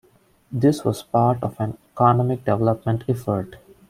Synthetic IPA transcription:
d̪ɪsʋɔːzpaːɾʈɔfæ̃nekɔːnɔmɪk̚ɖɛʋɛləpmə̃ɳʈʰɛfəɾʈ

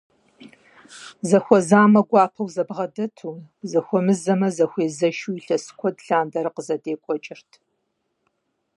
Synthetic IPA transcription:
zɐxʷɔzaːmɐɡʷɑːpʰɐwzɐbʁɐdɐtʰuːzɐxʷɔmɨzɐmɐzɐxʷeːzɐʃuiɬɐsɨ̥kʷʰɔdɬaːndɐɾɨqəzɐdeːkʷʼɔt͡ʃʼɪrtʰ

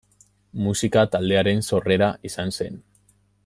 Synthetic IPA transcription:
musikat̪ald̪e̞aɾe̞nso̞re̞ɾaisanse̞n

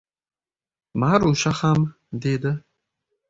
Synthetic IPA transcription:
maɾuʃaχam | d̪ed̪ɪ

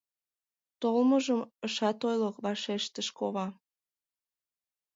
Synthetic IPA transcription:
t̪olməʒəməʃɑt̪ojləkβɑʃeʃt̪əʃkoβɑ

